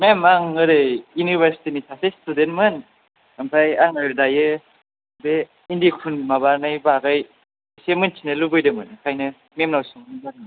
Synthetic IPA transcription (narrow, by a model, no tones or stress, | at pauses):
memaŋɯɾɯjunibʱeɾsi̥tinitʰasestudentmɯn | ampʰajaŋajɾdajɯ | be | indiekʰunmabaɾnɯjbaɡaj | semɯnt͡ʃʰinɯlubɯjdɯmɯnkʰajnɯ | memnawsɯŋnbaɾ